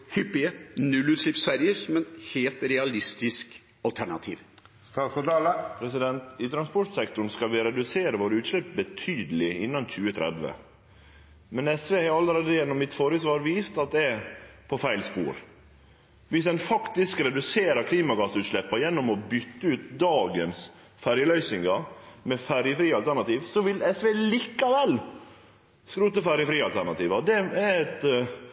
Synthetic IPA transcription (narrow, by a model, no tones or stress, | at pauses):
hʏpːɪənʉlːʉːt̪ʃlɪpsfæɾjəɾmɛnheːlt̪ɾɛɑlɪst̪ɪsk | ɑlt̪ʰæɳɑ̰t̪ʰḭːʋ | st̪ɑsɔd̪ɑləpʰɾɛsɪd̪ɛnt̪ɪt̪ʰɾɑnspɔʈsɛkt̪ʊɳ̩skɑlʋɪɾɛd̪ʉseːɾəʋoːɾʉːt̪ʃlɛp̚bət̪ʰyːd̪əlɪɪnːɑnc͡çʉːət̪ʰɾɛ̰d̪ʋə̰ | mɛnɛsʋeːhɑɾɑlːəɾeːd̪əjɛnːɔmːɪt̪foːɾəs̬ʋɑːɾʋiːst̪ɑt̪̚d̪ɛɛpʰɔfæɪlspṵːɾ | ʋɪsd̪ɛnfɑkt̪ɪskɾɛd̪ʉseːɾəɾkʰliːmɑɡɑsʉːt̪ʂlɛpːɑjɛnːɔmɔbʏt̪ːəʉːt̪̚d̪ɑːɡəns | fæɾjəlœʏsɪŋɡɑmɛfæɾjəfɾiːɑlt̪ʰæɳɑt̪iːʋsɔʋɪlɛsʋeːliːkːɑʋɛl | skɾʉːt̪əfæɾjəfɾiːɑlt̪ʰæɳɑt̪iːʋɑd̪ɛæɛt̪